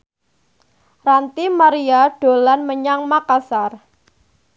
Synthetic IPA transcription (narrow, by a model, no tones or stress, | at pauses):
rant̪imaɾiaɖ̥o̤lanməɲaŋmakasar